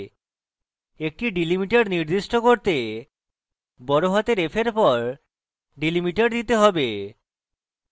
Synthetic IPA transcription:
ek̚ʈiɖilimiʈaɾniɾd̪iʃʈokoɾt̪e | bɔɾoɦat̪eɾefʰeɾpɔɾ | ɖilimiʈaɾd̪it̪eɦɔbe

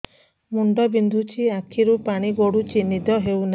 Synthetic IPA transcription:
muɳɖɔbind̪ʱut͡ʃʰiakʰiɾupaɽ̃iɡoɽut͡ʃinid̪ɔɦewna

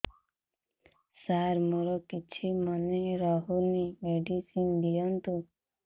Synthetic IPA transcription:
saɾmoɾɔkit͡ʃʰimɔneɾɔɦunimeɖisind̪ijɔnt̪u

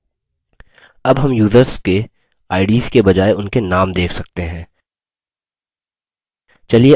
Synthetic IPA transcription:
ɐbɦɐmjuːzəɾske | aːɪɖiːskebɐd͡ʒaːeʊnkenaːmd̪eːkʰsɐk̚t̪eɦɛ̃ː | t͡ʃɐlie

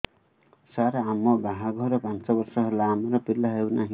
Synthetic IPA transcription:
saɾaamːobaɦaɡʱʌɾʌpãnt͡sʌbʌrsʌɦʌɾulaamʌɾʌpiɾlaɦewnaɦĩ

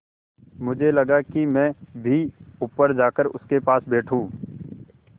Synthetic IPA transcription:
mʊd͡ʒʱelɐɡakimɛ̃ːbʱiʊpːəɾd͡ʒaːkəɾʊ̰skepaːsbeːʈʰũː

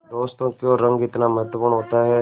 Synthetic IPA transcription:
d̪oːst̪õːkjõːɾə̃ŋɡɪt̪naməɦət̪əpuːɳɦoːt̪aːɦɛː

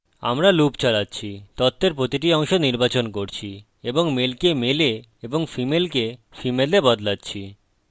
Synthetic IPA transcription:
a̰mɾalupt͡ɕalatːɕʰit̪ɔt̪ʰːeɾpɾot̪iʈ̬iɔŋʃoniɾbat͡ɕonkoɾt͡ɕʰi | eboŋmelkemele | eboŋfimelkefimelebɔd̪latːɕʰi

